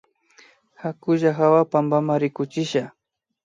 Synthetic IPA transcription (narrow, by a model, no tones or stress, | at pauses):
hakʊʒaxawapambamaɾɪkʊt͡ʃɪʃa